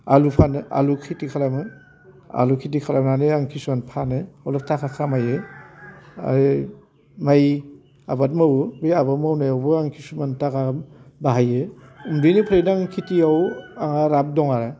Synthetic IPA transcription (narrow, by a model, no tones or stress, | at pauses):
alupʰanɯʔa̰lukʰitikʰaɾamɯ | a̰lukʰit̬ikʰaɾamnanɯaŋkʰisumanpʰanɯawlap̚tʰakʰakʰamajɯ | a̰ɾ | maj | abat̚mawbijabamawnajawbɯaŋkʰisumantaɡabaɦajɯumdinipʰɾejnaaŋkʰitiawaŋaɾap̚dɔŋaɾa